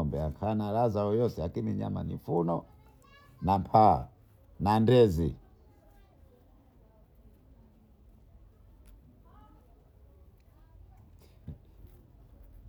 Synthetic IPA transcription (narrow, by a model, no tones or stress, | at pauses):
ɔmbɛakʰanalazaɔjɔsɛakimiɲa̰ma̰nḭfunɔ | nampʰa̰ | nandɛzi